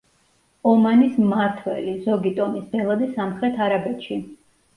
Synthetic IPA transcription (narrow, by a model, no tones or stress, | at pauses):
ɔmanismaɾt̪ʰwɛ̰lizɔɡit̪ʼɔmisb̪ɛlˠad̪isamχɾɛt̪ʰaɾabɛt̪ʃi